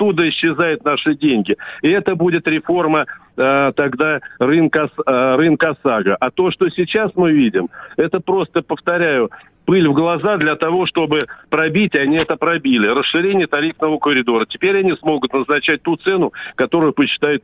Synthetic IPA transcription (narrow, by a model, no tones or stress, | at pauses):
t̪ːud̪əɪɕːɪzajʊt̪naʂɨdʲenʲɡʲɪɪɛt̪əbudʲɪt̪ɾʲɪfo̞rmə | t̪ɐɡd̪arɨnksrɨnkəɐsaɡəʔɐt̪o̞ʂt̪o̞sʲɪt͡ɕasmɨvʲidʲɪmɛt̪əpɾo̞st̪əpəft̪ɐɾʲæjʊ | pɨlʲvɡlˠɐzad̪lʲɐt̪ɐvo̞ʂt̪o̞bɨpɾɐbʲitʲɐnʲiɛt̪əpɾɐbʲilʲɪrəsʂɨɾʲenʲɪjət̪ɐɾʲifnəvəkəɾʲɪd̪o̞ɾətʲɪpʲeɾʲɐnʲismo̞ɡʊt̪nəznɐt͡ɕæt̚ʲt̪ut̪sɛnʊkɐt̪o̞ɾʊjʊpəɕːɪ̥t̪ajʊt̪